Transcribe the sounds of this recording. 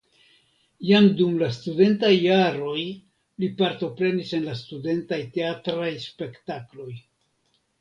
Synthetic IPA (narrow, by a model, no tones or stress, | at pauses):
jamdumlastude̞ntajːaɾo̞j | lipaɾto̞pɾe̞nise̞nlastude̞ntajte̞atɾajspe̞ktaklo̞j